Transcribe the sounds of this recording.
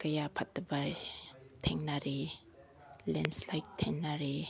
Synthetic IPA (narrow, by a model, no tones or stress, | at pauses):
kɐjapʰatːɐbɐ | tʰeŋnaɾe | lenslajk̚tʰːeŋnaɾe